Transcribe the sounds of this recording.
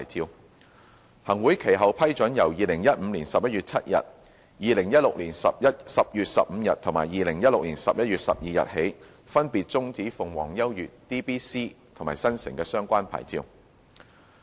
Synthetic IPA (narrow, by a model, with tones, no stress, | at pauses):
jt͡siː˧w | hɐ˨˩ŋwuː˨˥jkʰe˨˩jɦɐ˨wpʰɐ˥jt͡ʃɵ˨˥njɐ˨˩wjiː˨lɪ˨˩ŋjɐ˥t̚m̩˨˧liː˨˩nsɐ˨p̚jɐ˥t̚ɥyː˨t̚t͡sʰɐ˥t̚jɐ̰˨t̚ | jiː˨lɪ˨˩ŋjɐ˥t̚lʊ˨k̚liː˨˩nsɐ˨p̚jɐ˥t̚sɐ˨p̚jyː˨t̚sɐ̰˨p̚m̩ː˨˧jɐ˨t̚t̪ʰʊ˨˩ŋmaː˨˩jiː˨lɪ˨˩ŋjɐ˥t̚lʊ˨k̚liː˨˩nsɐ̰˨p̚jɐ˥ɥyː˨t̚sɐ̰˨p̚jiː˨jɐ̰˨t̚he˨˥j | fɐ˥npiː˨t̚t͡sʊ˥ŋt͡siː˨˥fʊ˨ŋwɔ̰ː˨˩ŋjɐ˥wjyː˨t̚t̪iː˥piː˥siː˥t̪ʰŋmaː˨˩jsɐ˥nsɪ˨˩ŋkɛː˧sœː˥ŋkʷaː˥npʰa̰ː˨˩jt͡sḭ˧w